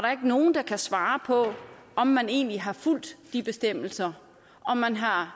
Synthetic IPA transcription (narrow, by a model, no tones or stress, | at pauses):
ɐɾ̥ɑ̈e̝ɡ̥no̝ːn̩d̥ɑ̈kʰæsʋɑ̈ːpʰɒ̽ | ɒ̽mːæne̝̰ːnliɦɑ̈ful̰d̥ːib̥e̝sd̥em̰l̩sɐ | ʔɒ̽mːænɦɑ̈